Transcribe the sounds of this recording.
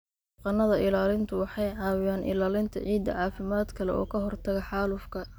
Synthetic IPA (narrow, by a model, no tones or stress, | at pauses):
qɑnːɐðɐʔɪlaːlɪnt̪ʰʊwɑħɑjʕɑːwɪjaːnʔɪ̰laːlɪnt̪ʰɐ̰ʕiːd̪ɐ̰ʕɑːfɪmaːd̪kʰɐlɛ̰ʔɔ̰ːkʰɐɦɔrt̪ʰɐɣɐħɑːlʊfkʰɐ